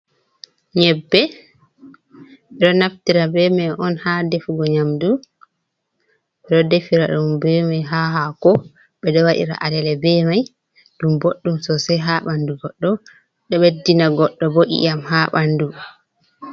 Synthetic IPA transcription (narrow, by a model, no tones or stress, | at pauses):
ɲɛbːɛ | ɓɛɗɔnaftiɾabɛmajʔɔnhadefuɡɔɲamdu | ɓɛɗɔdefiɾaɗumbɛmajɦaɦakɔ | ɓɛdɔwaɗḭɾa̰ʔadɛlɛbɛmaj | ɗumboɗːumsɔsɛɦaɓanduɡɔɗːɔ | ɗɔɓɛdːinaɡɔɗːɔboʔḭʔamhaɓandu